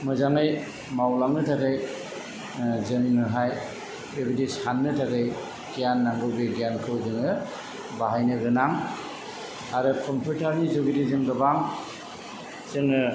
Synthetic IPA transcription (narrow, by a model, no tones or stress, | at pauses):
mɯzaŋɯj | mawlaŋɯtʰaɡɯj | zɯninɯɦaj | ebidishanːɯtʰaɡɯj | kijanːaŋɡɯbeɡijankʰɯwzɯŋɯ | baɦajnɯɡɯnaŋ | aɾɯkʰɔmpʰutʰaɾnizoɡidizɯŋɡɯbaŋ | zɯŋɯ